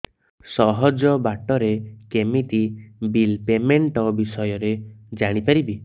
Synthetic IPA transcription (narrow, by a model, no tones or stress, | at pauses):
sɔɦɔd͡ʒɔbaʈɔɾekemit̪ibilpemeɳʈɔbisɔjɔɾed͡ʒaɽ̃ipaɾibi